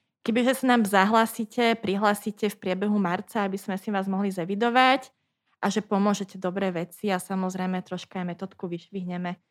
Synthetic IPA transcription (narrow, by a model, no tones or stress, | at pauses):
kɛbiʒɛsanaːmzaɦlaːsicʰɛpɾiɦlaːsicɛfpɾɪɛbɛɦumaɾt͡saabiz̥mɛsiʋaːzmɔɦlizɛʋid̪ɔʋac | ʔaʒɛpɔmʊɔʒɛcɛd̪ɔbɾɛːʋɛt͡siasamɔzɾɛjmɛt̪ɾɔʃkaajmɛt̪ɔːt̪kuʋiʃʋiɦɲɛmɛ